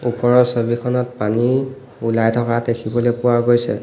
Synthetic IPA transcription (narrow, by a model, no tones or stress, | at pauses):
upɔɹɔsobikʰɔnɔt̚pani | ulajtʰɔkatekʰibɔlojpʊwaɹɡojsɛ̰